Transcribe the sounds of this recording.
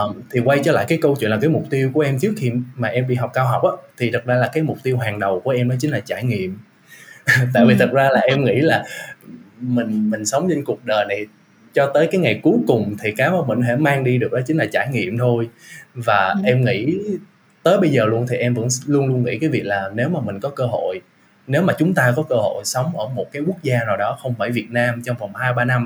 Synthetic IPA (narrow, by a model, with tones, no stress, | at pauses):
ʔːmt̪ʰi˨˩kwa˧jt͡ɕɔ˧la̰ː˧˨jkaː˨˦jkə˧wt͡ɕwḭ˧˨nlaː˨˩kːjmʊ˨˩k͡p̚t̪i˧əwku˧˩əʔɛ˧mt͡ɕɨ˦˥ək̚xi˧mmːaː˨˩ʔɛ˧mɓḭ˧˨ɦɔ˨˩wk͡p̚kaː˧wɦɔ˨˩k͡p̚ʔaː˨˦t̪ʰi˨˩t̪ʰə˨˩t̚zaː˧laː˨˩kaː˨˦jmʊ˨˩k͡p̚t̪i˧wɦaː˨˩ŋɗə˨˩wku˧˩əʔɛ˧mnɔ˨˦t͡ɕï˨˦ŋ̟laː˨˩t͡ɕaː˧˩jŋḭ˧˨əm | t̪a̰ː˧˨jvi˨˩t̪ʰə˨˩t̚zaː˧laː˨˩ʔɛ˧mŋḭ˧˥laː˨˩ | mï˨˩ŋ̟mï˨˩ŋ̟sə˨˦wŋ͡mt͡ɕə˧n̟ku˨˩ək̚ɗəː˨˩jna˨˩j | t͡ɕɔ˧t̪əː˨˦jkaː˨˦jŋa˨˩jku˨˦jkʊ˨˩ŋ͡mt̪ʰi˨˩kaː˨˦maː˧˩mï˨˩ŋ̟ɦɛ̰˧˥maː˧ŋɗi˧ɗɨ˨˩ək̚ɗɔ˨˦t͡ɕï˦ŋ̟laː˨˩t͡ɕaː˧˩jŋḭ˧˨əmt̪ʰo˧jvaː˨˩ʔɛ˧mŋḭ˧˥ | t̪əː˨˦jɓə˧jzəː˨˩lu˧ənt̪ʰi˨˩ʔɛ˧mvə̰˧˥nlu˧ənlu˧ənŋḭ˧˥kaː˨˦jvi˨˩ək̚laː˨˩ne˨˦wmaː˨˩mï˨˩ŋ̟kɔ˨˦kəː˧ɦo̰˧˨j | ne˨˦wmaː˨˩t͡ɕʊ˨˦ŋ͡mt̪aː˧kɔ˨˦kəː˧ho̰˧˨jsə˨˦wŋ͡mʔəː˧˩mo˨˩t̚kaː˨˦jku˦˥ək̚zaː˧naː˨˩wɗɔ˨˦xə˧wŋ͡mfaː˧˩jvi˨˩ət̚naː˧mt͡ɕɔ˧wŋ͡mvɔ˨˩wŋ͡mhaː˧jɓaː˧na˧m